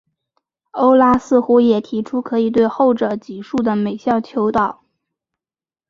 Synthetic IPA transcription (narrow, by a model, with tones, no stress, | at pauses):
o˥ʊla˥sɹ̩˥˩xu˥jɛ˨˩t̪ʰi˧˥ʈ͡ʂʰu˥kʰɤ˧˥i˨˩t̪we˥˧ɪxo˥˩ʊʈ͡ʂɤ˨˩t͡ɕi˨˩ʂu˥˩d̪ə˩me˨˩ɪɕjɑ˥˩ʊt͡ɕʰjo˧˥ʊt̪ɑ˨˩˦ʊ